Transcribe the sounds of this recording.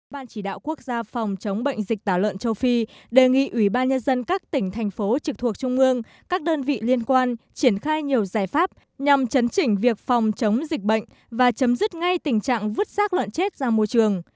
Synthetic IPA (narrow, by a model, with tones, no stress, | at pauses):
ɓaː˧nt͡ɕi˧˩ɗa̰ː˧˨wku˦˥ək̚zaː˧fɔ˨˩wŋ͡mt͡ɕə˨˦wŋ͡mɓə̰˧˨jŋ̟zï˨˩k̚t̪aː˧˩wlwə̰˧˨nt͡ɕə˧wfi˧ɗe˨˩ŋḭ˧˨ʔwi˧˩ɓaː˧nɲə˧nzə˧nkaː˦˥k̚t̪ï˧˩ŋ̟t̪ʰɛ˨˩jŋ̟fo˨˦t͡ɕɨ˨˩k̚t̪ʰu˨˩ək̚t͡ɕʊ˧ŋ͡mʔɨ˧əŋ | kaː˦˥k̚ɗəː˧nvḭ˧˨li˧ənkwaː˧nt͡ɕi˧˩ənxaː˧jɲi˨˩əwzaː˧˩jfaː˦˥p̚ | ɲa˨˩mt͡ɕə˨˦nt͡ɕï˧˩ŋ̟vi˨˩ək̚fɔ˨˩wŋ͡mt͡ɕə˨˦wŋ͡mzï˨˩k̟̚ɓə̰˧˨jŋ̟ | vaː˨˩t͡ɕə˨˦mzi˦˥t̚ŋa˧jt̪ï˨˩ŋ̟t͡ɕa̰ː˧˨ŋvɨ˦˥t̚saː˦˥k̚lə̰˧˨nt͡ɕe˦˥t̚z̥aː˧mo˧jt͡ɕɨ˨˩əŋ